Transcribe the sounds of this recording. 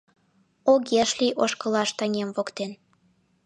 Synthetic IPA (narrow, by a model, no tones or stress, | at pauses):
oɣeʃlijʔoʃkɤ̆lɑʃt̪ɑŋʲemvokt̪en